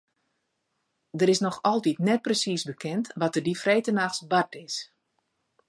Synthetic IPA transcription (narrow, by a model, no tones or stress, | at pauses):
dəɾɪsnɔxɔlˠtitnɛt̚prəsisbəkʰɛntʋɔtərdifrejtənaxsbatɪs